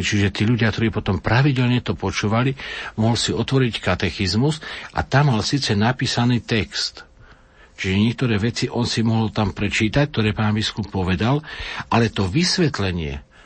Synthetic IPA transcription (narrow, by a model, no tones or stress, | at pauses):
t͡ʃiʒɛt̪iːʎuɟɪak̚t̪ɔɾiːpɔt̪ɔmpɾaʋiɟɛlɲɛt̪ɔpɔt͡ʃuːʋalimɔɦɔlsiɔt̪ʋɔɾickat̪ɛxizmusʔa̰t̪amːalsiːt͡sɛnapiːsaniːt̪ɛkst̪ | t͡ʃiʒɛɲɪɛk̚t̪ɔɾɛːʋɛt͡siʔɔnsimɔɦɔlt̪ampɾɛt͡ʃiːt̪ac̚t̪ɔɾɛːpaːnbiskupːɔʋɛd̪alʔalɛt̪ɔʋisʋɛt̪lɛɲɪɛ̰